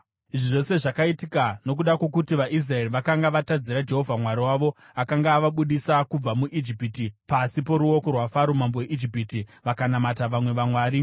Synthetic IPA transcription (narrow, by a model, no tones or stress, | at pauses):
iʐiʐo̞se̞ʐakaitikano̞k̬uɗakwo̞kutiʋaʔis̬raeriʋakaŋɡaʋatad͡ziɾad͡ʒe̞ɦo̞vʱamwaɾiwaʋo̞ | akaŋɡaːʋaɓuɗisakub͡vamuʔid͡ʒipitipasipo̞ɾuo̞korwafaɾomamboweʔid͡ʒipitiʋakanamataʋamwe̞ʋamwaːɾi